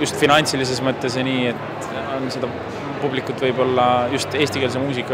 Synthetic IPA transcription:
just̪finɑnʲt̪silis̬e̞smɤt̪ːˑe̞s̬eniːet̪ | onse̞d̪̥ɑ | publikːˑut̪ːˑvɤjbo̞lːɑjust̪e̞ːst̪ikels̬emuːsikːˑɑ

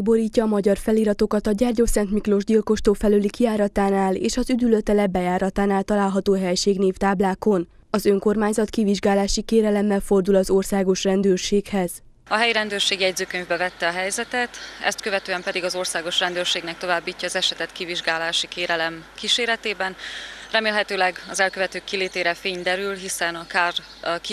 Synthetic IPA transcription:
bo̞ɾiːcːɒːmɒɟɒrfɛliːɾɒt̪o̞kɒt̪ɒɟaːrɟosɛnt̪miklo̞ʒɟilko̞ʃt̪oːfɛlølikiaːɾɒt̪aːnaːlḛːʃɒzyd̪yløt̪ɛlɛbɛjaːɾɒt̪aːnaːlt̪ɒlaːlɦɒt̪oːɦɛjʃeːɡneːft̪aːblaːko̞n | ɒzø̞ŋko̞rmaːɲzɒt̪kiviʒɡaːlaːʃikeːɾɛlɛmːɛlfo̞rd̪ulɒzo̞rsaːɡo̞ʃrɛnd̪øːrʃeːkhɛz̥ | ɒɦɛjiɾɛnd̪øːrʃeːɡijɛɟzøːkøɲvbɛvɛt̪ːɛɒɦɛjzɛt̪ɛt̪ɛ̰st̪̚kø̞vɛt̪øːɛmpɛd̪iɡɒzo̞rsaːɡo̞ʃrɛnd̪øːrʃeːɡnɛk̚t̪o̞vaːbːiːcːɒːzɛʃɛt̪ɛt̪kiviʒɡaːlaːʃikeːɾɛlɛmkiʃeːɾɛt̪eːbɛnrɛmeːlɦɛt̪øːlɛɡɒzɛlkøvɛt̪øːkːileːt̪eːɾɛfeːɲd̪ɛɾylɦisɛnɒkaːr | ki

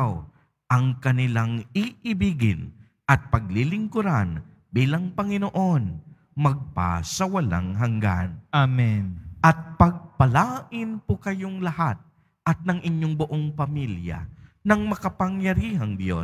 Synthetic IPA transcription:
w | ʔɐŋkɐnɪlaŋiʔɪbiːɡɪ̰n | ʔɐt̪̚pɐɡ̚lilɪŋkʊɾan | biːlɐŋpɐŋɪnoʔo̞n | mɐɡ̚pa̰sɐwɐla̰ŋɦɐŋɡa̰namɛnʔɐt̪̚pɐɡ̚pɐlaːʔɪnpokɐjoŋlɐhat̪̚ | ʔɐt̪̚nɐŋʔɪɲjoŋbʊʔo̞ŋpɐmiljɐ̰ | nɐŋmɐkɐpɐŋjɐɾihɐŋd̪jo̞̰

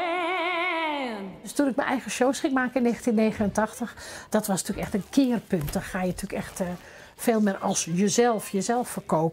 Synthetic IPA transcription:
østunɪk̚mə̰nʔɛjɣəʃoːwsxɪŋmaːkəɪnːeːxəntinːeːɣənəntɔxtəxd̥ɔtʋɔstyəkɛxtənkʰɪːərpønt̚dɔtxaːjətʰyəkɛxt | feːlˠmɪrɔlˠsjəzɛlˠfjəzɛlˠfːərkoːpə

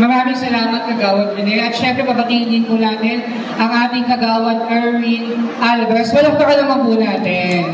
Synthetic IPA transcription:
mɐɾaːmɪŋsɐlaːmɐt̪̚kɐɡaːwɐt̪̚kɐnɛʔɐt̪ʃɛmpɾɛpɐbɐkiːlɪŋɪnpʊnaːt̪ɛn | ʔɐŋʔaːt̪ɪŋkɐɡaːwɐt̪̚ʔɛɹwi | ʔalbɐswɐlɐŋp̪ɐʔɐlɐmɐnpʊnaːt̪ɛn

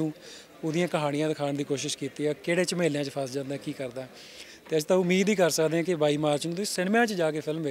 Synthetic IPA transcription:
ũː | ʊd̪ɪjãːkəɦaːɽ̃ɪjãːd̪ɪkʰaːnd̪iːkoːʃɪʃkiːt̪iːɛːkeːɽeːt͡ʃmeːljãːt͡ʃəpʰəsd͡ʒãːnd̪aːkiːkəɾd̪aː | t̪eːəd͡ʒt̪ãːʊmːiːd̪iːkəɾsəkd̪eːɛ̃ːkɪbaːiːmaːɾt͡ʃnũːt̪esɪnmjãːt͡ʃd͡ʒaːkeːpʰɪlmːeː

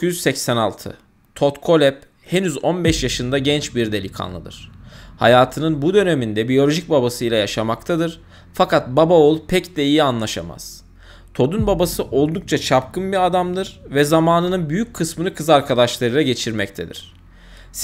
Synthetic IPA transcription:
cʰyyzsɛcsæna̰lˠt̪ʰɯ̰ | t̪ʰo̞t̪kʰo̞lʲɛp̚ | henyzo̞nbɛʃjaʃɯnd̪aɟɛnt͡ʃbiɾd̪e̞lʲikʰa̰nlˠɯ̰d̪ɯ̰ɾ̝̥ha̰jaːt̪ʰɯnɯnbud̪ø̞nemind̪ɛbijo̞lʲo̞ʒic̚babasɯjlʲˠajaʃamak̚t̪ʰad̪ɯɾ̥ | fakʰat̪̚babaolˠpʰɛcd̪ɛijianlˠaʃa̰ma̰z̥ | t̪ʰo̞d̪unbabasɯʔo̞lˠd̪uk̚t͡ʃʰat͡ʃʰap̚kʰɯnbiɾad̪amd̪ɯɾvɛzamaːnɯnɯnbyjyc̚kʰːɯsmɯnɯkʰɯzaɾkʰad̪aʃlˠaɾɯlˠaɟe̞t͡ʃʰiɾmɛct̪ʰed̪ḭɾ̥

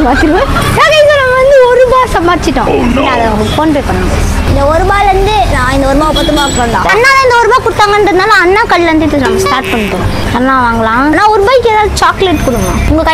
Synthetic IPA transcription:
baːtɪɾɯʋɐ | naːkɐɪɐnɐmːɐʋɐnd̪ɯɔɾɯbaːɾsɐmaːɽɪt͡ʃːɪʈːõɐpɽɪnːaɐðɐ | foːnpeːjpɐɳːaːŋɡɐ | ɪnd̪ɐɔɾɯbaːɾʋɐnd̪ɯnãːɪnd̪ɔɾɯmaːʊpɐt̪ːɯmaːpːɾɐːnd̪ã̰ɐnːaːlɐ̃ɪnd̪ɐɔɾɯbaːɾkʊɽɯt̪ːaːŋɡɐnrɐðɯnaːlɐ̃ɐnːaːkɐɭːʋɐnd̪ɯɪt̪ːɯnɐmːɐsʈaːɾʈpɐɳːɯpoːɽõ̰ | ɐnːaːʋaːŋɡɐɭãːnãːɔɾɯbaːjɪkːeːðaːʋðɯt͡ʃaːkleʈːkʊɽɯŋɡɐ̃ʊŋɡɐkɐ

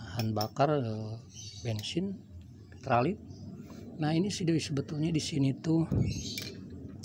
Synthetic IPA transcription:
hanbakarə | bɛnsɪn | t̪ɾalɪt̪̚nahinisidoisəbət̪ulɲadisiniːt̪u

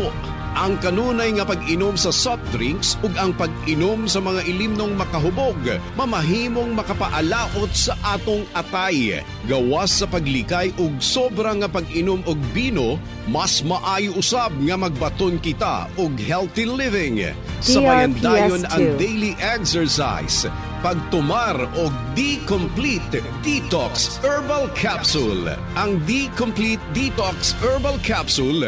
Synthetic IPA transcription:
o | ʔɐŋkɐnuːnɐjŋɐpɐɡɪnomsɐsap̚t̪ɾiŋksoɡɐŋpɐɡʔɪnomsɐmɐŋaʔɪlimno̞ŋmɐkɐɦʊbo̞ɡmɐmɐɦiːmo̞ŋmɐkɐpɐʔɐlaːʔo̞t̪̚sɐʔaːt̪oŋɐt̪aj | ɡɐwasːɐpɐɡlɪkajʔoɡ̚sobɾɐŋɐpɐɡɪnomoɡ̚biːno̞ | mɐsmɐʔaːjʊʔʊsab̚ŋɐmɐɡ̚bɐt̪onkɪt̪a̰oɡhɛlt̪ilɪvɪŋ | sɐajɐnd̪ajonɐŋd̪ɛjliʔɛksɛɹsa̰js | pɐɡ̚t̪ʊmaɾoɡ̚d̪ikomplit̪ | d̪̥it̪oksʔɛɹbɐlkʰapsul | ʔɐŋd̪ikomplit̪̚d̪it̪oksʔɛɹbɐlkʰapsʊl

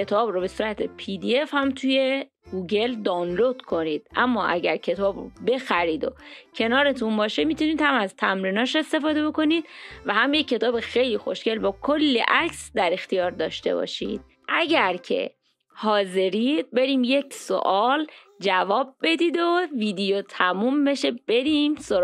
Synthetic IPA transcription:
e̞t̪ʰɒːbɾobe̞suːɾæt̪ʰepʰid̪ie̞fhæmt̪ʰuje̞ | ɡ̥uːɟe̞ld̪ɒːnlo̞d̪̥kʰo̞niːd̪̥ʔæmːɒːʔæɟæɾcʰe̞t̪ʰɒːbro̰be̞xæɾiːd̪o̰cʰe̞nɒːɾe̞t̪ʰunbɒːʃe̞miːt̪ʰuniːd̪̥hæmæzt̪ʰæmɾiːnɒːʃe̞st̪e̞fɒːd̪e̞bo̞ko̞nid̪̥̚væhæmjecʰːe̞t̪ʰɒːbexejliːxoʃce̞lbɒːkʰo̞lːḛʔæcsd̪æɾe̞xt̪ijɒːɾd̪ɒːʃt̪e̞̰bɒ̰ːʃḭːd̪̥̚ | ʔæɟæɾcʰe̞̰ | hɒːze̞ɾid̪̚be̞ɾiːmje̞cʰso̰ʔɒːl | d͡ʒævɒːb̚ːe̞d̪iːd̪oviːd̪ejot̪ʰæmuːmbe̞ʃe̞b̥e̞ɾiːmsoɾ

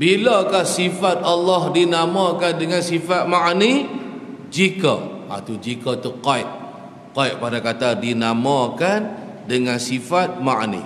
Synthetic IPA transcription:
bilakahsifat̪̚alːɔɦdinamãkandəŋansifat̪̚maʔni | d͡ʒikə̰a̰t̪ud͡ʒikət̪uqaiʔ̚ | kaiʔ̚padakat̪adinamãkan | dəŋansifat̪̚maʔnḭ

